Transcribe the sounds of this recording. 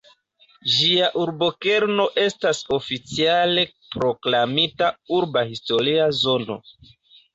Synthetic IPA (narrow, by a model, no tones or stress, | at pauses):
d͡ʒiaʔuɾbo̞ke̞ɾno̞ʔe̞staso̞fit͡siale̞ | pɾo̞klamitauɾbahisto̞ɾiazo̞no̞̰